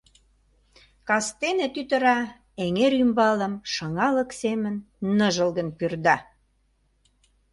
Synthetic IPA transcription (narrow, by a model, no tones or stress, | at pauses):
kɑst̪enet̪yt̪ə̆ɾɑ | eŋeɾymbɑlə̆mʃɑŋɑləksemənː | əʒəlɣə̆npyrd̪ɑ